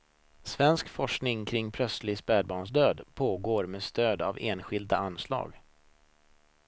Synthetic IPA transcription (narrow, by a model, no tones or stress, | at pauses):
svɛnskfɔʂknɪŋkʰɾɪŋːpʰɾœslɪɡspæːɖbɑːɳʂ̬d̪øːd̪pʰoːɡoːɾmeːst̪øːd̪a̰veːnɧɪld̪aanslɑ̰ːɡ